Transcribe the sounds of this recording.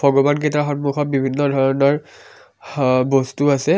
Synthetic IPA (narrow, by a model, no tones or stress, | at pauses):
bʱɔɡɔbanketaxɔnmuxɔt̚bibʱinːɔdʱɔɹɔnɔɹ | bɔstuasɛ